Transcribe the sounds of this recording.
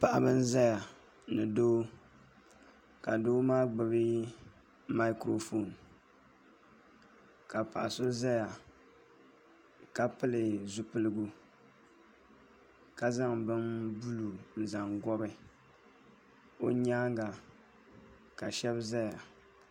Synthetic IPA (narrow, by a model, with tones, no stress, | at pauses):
pa˨ʔa˦bɨ˦n˦za˦ja˨ | nɨ˨doː˦ | ka˨doː˦maː˦ɡ͡bɨ˨bi˦ | ma˦kɾo˨fo˨n | ka˨pa̰˨ʔa˨so˦za˦ja˨ | ka˦pɨ˦lɨ˨zu˦pɨ˦lɨ˦ɡu˦ | ka˨za˦ŋbɨ˦nbu˦lu˨n̩˨za˨ŋɡɔ˦bɨ˦ | o˦ɲaː˦ŋɡa˨ | ka˨ʃɛ˦bza˦ja˨